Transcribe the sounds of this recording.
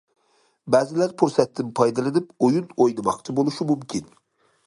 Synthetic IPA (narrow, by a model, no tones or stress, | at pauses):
bæːzɪlæɾfʰuɾsɛt̪ːɪmpʰɑjd̪ɑlˠɨnɪpojunojnɨmɑqt͡ʃʰɪbolˠuʃɪmumkʲʰin